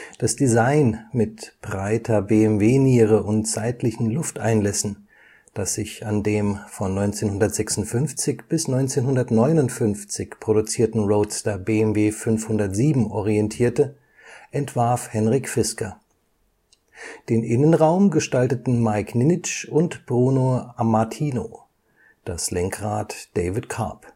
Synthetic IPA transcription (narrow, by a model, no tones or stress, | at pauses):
d̥asd̥izaɪnmɪtb̥ʁaɪtʰɐbeːɛmveːniːʁəʔʊntt͡saɪtʰlɪçn̩lʊftʔa̰ɪnlɛsn̩ | d̥asz̥ɪçandeːmfɔnːɔʏnt͡seːnhʊndɐtz̥ɛksʊntfʏnft͡sɪçb̥ɪsnɔʏnt͡seːnhʊndɐtnɔʏnʊntfʏnft͡sɪçpʁ̥oɾut͡siːɐtn̩ʁoʊtstɐbeɛmveːfʏnfhʊndɐtz̥iːbm̩ʔɔʁ̞iɛntʰiːɐtə | ʔɛntv̥aɐfhɛnʁɪçfɪskɐ | d̥eːnʔɪnənʁaʊmɡəʃtaltətn̩maɪknɪnɪt͡ʃʊntb̥ʁuːnoamatʰiːno̰ | d̥aslɛŋkʁaːtd̥eɪvɪtkʰa̰ːp